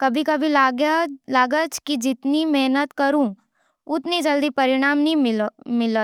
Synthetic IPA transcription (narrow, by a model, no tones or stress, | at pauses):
kɐbʱikɐbʱi | laːɡət͡ʃkid͡ʒɪt̪nimɛɦnət̪kɐɾũ | ʊt̪nid͡ʒɐld̪ipɐɾɪɽ̃aːmnĩɪmɪlət̪